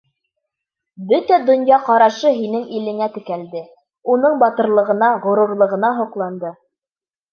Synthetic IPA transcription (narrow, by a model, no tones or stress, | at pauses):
bɵt̪æd̪ŏnjɑqɑɾɑʃɤɦinɘŋilɘ̆ŋæt̪ɘ̆kæld̪ɘ | unɤɴbɑt̪ɤ̆ɾlˠɤ̆ʁɤ̆nɑʁŏɾuɾlˠɤ̆ʁɤ̆nɑɦuqlˠɑnd̪ɤ